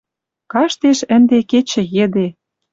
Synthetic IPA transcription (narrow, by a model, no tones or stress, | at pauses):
kɑʃt̪eʃə̆nd̪eket͡ɕɘ̆jĕd̪e